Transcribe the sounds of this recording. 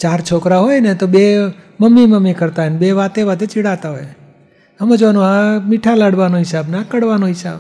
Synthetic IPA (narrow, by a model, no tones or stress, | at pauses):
t͡ʃaɾt͡ʃʰokɾaɦojnet̪obe | məmːiməmːikəɾt̪aenbeʋat̪eʋat̪et͡ʃiɽat̪aɦo̰j | əmẽd͡ʒoʋanũɦãmiʈʰalaɽʋanoɦɪsabnakəɽʋanoɦɪsa̰b